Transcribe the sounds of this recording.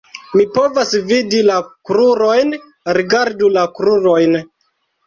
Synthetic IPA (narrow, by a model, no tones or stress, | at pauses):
mipo̞vasvidilakɾuɾo̞jn | ɾiɡaɾdulakɾuɾojn